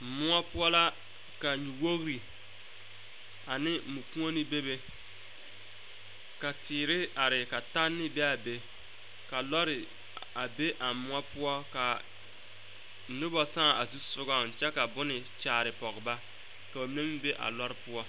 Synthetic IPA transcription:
mʊ˦ɔ˦pʊ˦ɔ˦la˦ | ka˨ɲu˨wo˦ɣɾi˨ | a˨nɪ˦mu˨kũ˦o˦nɪ˦be˦be˦ | ka˨tɪː˨ɾɪ˦a˨ɾɪ˨ka˨ta˦nːɪ˦bɛ˦a˨be˦ | ka˨lɔ˦ɾɪ˨ | a˨be˦ʔa˨mʊ˦ɔ˦pʊ˦ɔ˦ka˨ | nʊ˦bɔ˨sã˦˨a˨su˦sʊ˦ɡɔ˦n˨t͡ʃɛ˦ka˨bʊ˦nɪ˨ | t͡ʃaː˨ɾɪ˨pɔ˨ɡɪ˨ba˦ | ka˨ba˨mi˦ne˦mi˦be˦ʔa̰˨lɔ˦ɾɪ˦pʊ˦ɔ˦

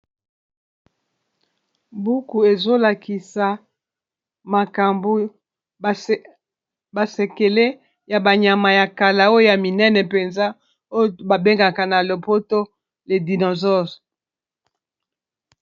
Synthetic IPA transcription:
bu˦ku˨e˨zo˦la˨ki˨sa˨ | ma˨ka˨mbu˦ | ba˨se˨ke˨le˦ | ja˨ba˨ɲa˨ma˨ja˨ka˨la˨o˦o˦˨ja˨mi˨nɛ˦nɛ˨pe˨nza˦ | o˦ba˨be˦ŋɡa˨ka˨na˨lo˨po˦to˦ | le˨di˨nɔ˨zɔ˦zɔ̥˨

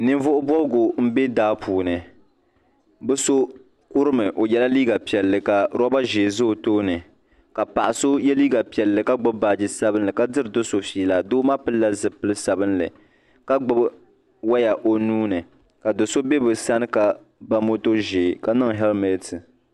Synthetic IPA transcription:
nɨ˦nvʊ˦ʔʊ˦bɔ˦lɡo˨m̩˦be˦daː˦pʰuː˨nɨ˨ | bɨ˦so˦ | kʊ˦ɾɨ˦mɨ˨ʔo˨jɛ˦la˦liː˦ɡa˨pi˨ɛ˨lːɨ˨ka˨ɾɔ˦ba˦ʒeː˨zo˦˨toː˦nɨ˨ | ka˨pa˨ʔa˨so˦jɛ˦liː˦ɡa˨pi˨ɛ˨lːɨ˨ka˦ɡ͡bɨ˦bbaː˨d͡ʒɪ˨sa˦bɨ˦nlɨ˨ka˦dɨ˦ɾɨ˨do˦so˨fiː˦la˨doː˦ma˦pɨ˦lla˦zɨ˨pɨ˦lɨ˦sa˨bɨ˦nlɨ̰˨ | ka˦ɡ͡bɨ˦b | wa˦ja˨ʔo˨nuː˦nɨ˨ | ka˨do˨so˦bɛ˦bɨ˨sa˦nɨ˦ka˨ | ba˦mo˦to˦ʒeː˨ka˦nɔ˦ŋ˨ɦɛ˦lmɛ˨tɨ˨

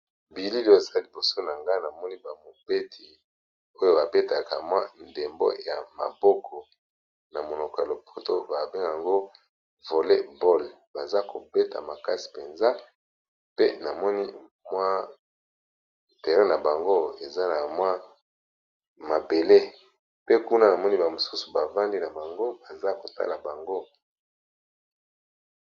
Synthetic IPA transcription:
bi˨li˦li˨jo˦e˨za˦li˨bo˨so˦na˨ŋɡa˦na˨mɔ˦ni˦ba˨mo˨b̥e˦tʰi˨ | o˦jo˦ba˨be˦ta˨ka˨mwa˦nde˨mbo̰˦ja˨ma̰˨bɔ˦kʰɔ˨ | na˨mo˨no˨kɔ˨ja˨lo˨pʰo˨to˦ba˨be˦ŋɡa˨ŋɡo˦ | vo˨le˦bɔ˦l | ba˨za˦kʰo˨be˦ta̰˨ma˨ka˦si̥˨pe˨nza˦ | pe˦na˨mɔ˦ni˦ | mwa˦˨ | te˨ʁe˦na˨ba˨ŋɡo˦e˨za˦na˨mwa˦ | ma˨be˨le˦ | pe˦ku˦na˦na˨mɔ˦ni˦ba˨mo˨su˦su̥˨ba˨va˦ndi˦na˨ba˨ŋɡo˦ba˨za˦ko˨ta̰˦la˨ba˨ŋɡo˦

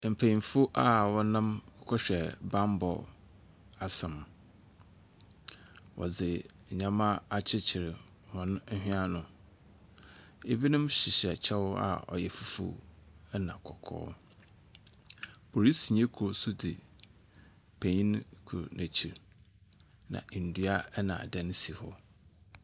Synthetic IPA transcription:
m̩˨pʰæ̃˨ɲĩ˨fʊ˦ʔa˨wɔ̃˨nã˦m˦kʰɔ˦ɕᶣɛ˨bã˦m˦bɔ̰˨ | a˨sɛ̃˨m | wʔɔ̰˨d͡zɪ˨ | ɲã˦mã˦a˨t͡ɕʰɪ˦t͡ɕʰɪ˨ɾɪ˨ | wɔ̃˨n̩˦hᶣĩ˦a˦nʊ̃˨ | e˦bi˦nʊ̃˦mɕɪ˨ɕɛ˨t͡ɕʰɛ˦wʊ˦a̰˨ɔ̰˨jɛ˨fu˦fṵ˨˦ɛ˦nã˨kʰɔ˨kʰɔ̰ː˦ | bʰo˨ɾi˦si˨ɲẽ˦kʰɾo˨sʊ˦dɪ˨ | pʰe˨ɲĩ˦n˦kʰu˨ɾo̰˨nʔæ̃˨t͡ɕʰi˨ɾ | nã̰˨n̩˨dɥa˦ɛ˦nã̰˨dɛ̃˦n˦si˨hɔ̰˦

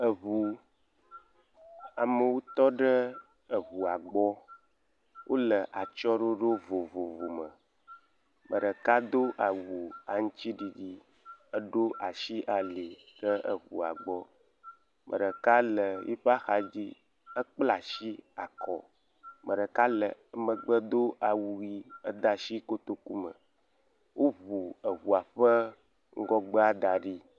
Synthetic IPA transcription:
ə˨ɦu˨ | a˨mə˨wo˦t̪ɔ˦ɖə˦ | ə˨ɣu˨a˨ɡ͡bɔ˦ | wʔo˦lə˨ʔa˨t͡ʃɔ˦ɖo˦ɖo˦vo˨vo˨vo˨mə˨ | mʔə˨ɖə˨ka˦d̪o˦ʔa˨wu˨a˨ŋũ˦t͡ɕi˦ɖi˦di˦ | ə˦ɖo˦ʔa˨ʃi˦ʔa˨li˨ | ɖə˦ʔə̰˨ɸṵ˨a̰˨ɡ͡bɔ˦ | mʔə̰˨ɖə˨ka˦lə˨jḭ˦ɸa˦xa˨d͡ʑi˦ | ə˦k͡pla˨ʃi˦a̰˨kɔ̰˨ | mə˨ɖə˨ka˦lə˨ə˦mə˨ɡ͡bə˦d̪o˦ʔa˨wu˨ɣi˦ə̰˦d̪a˨ʃi˦ko˦t̪o˦ku˦mə̰˨ | wʔo˦βu˨ə˨βu˨a˨ɸə˦ | ŋ̩˦ɡɔ˦ɡ͡bə˦a˦d̪a˨ɖi˦

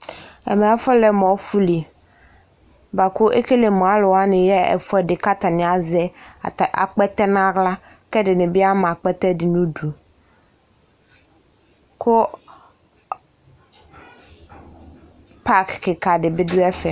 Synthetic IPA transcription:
ɛ̰˨mɛ̃˨a˨fɔ˦lɛ˨mɔ̃˨˦fu˦li˨ | ba˨kʊ˦ʔe˦ke˦le˨mɔ̃˨a˦lʊ˨wa˦nɪ̃˨jɛ˦ɛ̰˨fɛ˦dɪ˨ka˦t̪a˨nɪ̃˨a˨zɛ˦˨tʔa̰˨k͡pɛ˦t̪ɛ˦n˦ã˦ɣla˦ | kɛ˦dɪ˨nɪ̃˨bɪ˦a˦mã˨k͡pɛ˦t̪ɛ˦dɪ˨nũ˦du˨ | kʊ˦ | pa˦kkɪ˨ka˨dɪ˨bɪ˦dʊ˦ɛ˦fɛ˨

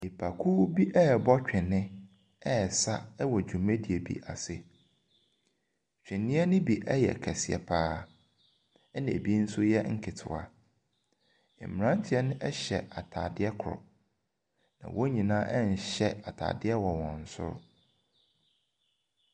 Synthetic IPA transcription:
e˨pʰa˨kʰu˦bi˦ʔɛ˦˨bɔ˦t͡ɕᶣɪ̃˨nːɪ̃˦ | ɛ˦˨sa˦ɛ˦wɔ˨d͡ʑᶣũ˨mẽ˦di˨e˨bḭ˨ʔa̰˨sɪ̰˦ | ɕᶣɪ̃˨nːɪ̃˦ɛ˦nɪ̃˦bi˨ʔɛ˦jɛ̰˨kʰɛ˨sɪ˨ɛ̰˨pʰaː˦ | ɛ˦nã˨bi˦n̩˦sʊ˦jɛ˦ŋ̩˦kʰɪ˨tʰʊ̰˨a̰˨ | ɪ̰̃˨mm˨ɾã˦n˦tʰɪ˨ɛ˦nʊ̃˦ʔɛ˦ɕɛ̰˨ʔa˨tʰa̰ː˨dɪ˦ɛ˦kʰʊ˨ɾʊ̰˨ | nã̰˨wo˦ɲĩ˨nãː˦ʔɛ˦ɲ̩˨ɕɛ˦a˨tʰa̰ː˨dɪ˦ɛ˦wɔ˨wɔ̃˨n̩˨˦sʊ̰˦ɾ̰

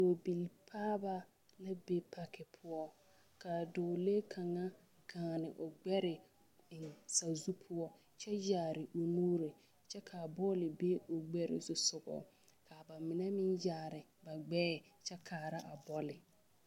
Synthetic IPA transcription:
doː˨bi˨lpʰaː˦ba˦ | la˦be˦pʰa˨kʰɪ˨pʰʊ˦ɔ˦ | ka˨doː˨le˦kʰa˨ŋa˦ | ɡ̥aː˨nɪ˨ʔʊ˨ɡ͡bɛ˦ɾɪ˨ | ɪ˨nsa˨zu˦pʰʊ˦ɔ˦ | t͡ʃɛ˦jaː˨ɾɪ˨ʔo˨nuː˦ɾɪ˨ | t͡ʃɛ˦kʰa˨bɔ˦lɪ˨be˦ʊ˨ɡ͡bɛ˦ɾɪ̰˨zʊ˨sʊ˨ɡɔ̰˨ | kʰa˨ba˨mɪ˨nɛ˦mɪ˦njaː˨ɾɪ˨ | ba˨ɡ͡bɛː˦˨t͡ʃɛ˦kʰaː˨ɾa˦ʔa˨bɔ˦lɪ˨

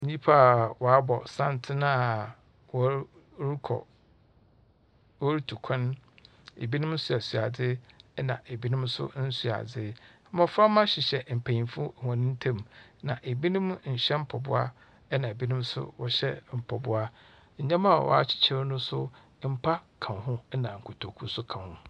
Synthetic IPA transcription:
ɲĩ˦pʰa˦a˨wɔ˨a˦bɔ˨sã˦˨n˨tʰɪ˦nã˦ | wɔ˦ | ɾi˦kʰɔ̰˨ | wɔ˦ɾi˦tʰu˨kʷʰɛ̃˦n | ḛ˨bi˦nʊ̃˦mn̩˦sʊ˦a˨su˨a˨dɪ˦ɛ˦nã̰˨ʔe˨bi˦nʊ̃˦msʊ̰˦n̩˦su˦˨a̰˨d͡zɪ˦ | mɔ̃˨fɾa˦mã˦ɕɪ˨ɕɛ˨m̩˨pʰa˨ɲĩ˨mfu˦˨hɔ̃˨nɪ̃˦n̩˦tʰã˦˨mnã˨ʔe˨bi˦nʊ̃˦mɲ̩˨ɕɛ˦m̩˦pʰɔ˨bʊ˦a̰˦ | nã˨e˨bi˦nʊ̃˦msʊ̰˦wɔ˨ɕɛ˦m̩˨pʰɔ˨bʊ˦a˦ | ɲ̩˨ɲã˦mã˦˨wʔɔ̰˦a˦˨t͡ɕʰɪ̥˦t͡ɕʰɛ˦ɾnʊ̃˦sʊ˦ | m̩˦pʰa˦kʰã˨nɦʊ̃˦nã˨ŋ̩˨kʰʊ˨tʰo˨kʰu˦sʊ˦kʰã˨nhʊ̰̃˨

